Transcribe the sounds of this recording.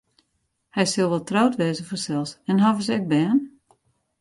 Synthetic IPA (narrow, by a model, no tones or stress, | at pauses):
hɛjsɪlˠʋɔlˠtrowtʋɛːzəfɔsɛlˠsɛnɦavəsɛk̚bɛːn